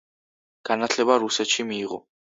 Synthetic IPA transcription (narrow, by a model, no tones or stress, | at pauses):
ɡ̥anat̪ʰlɛbaɾusɛt̪ʃimiːʁɔ̰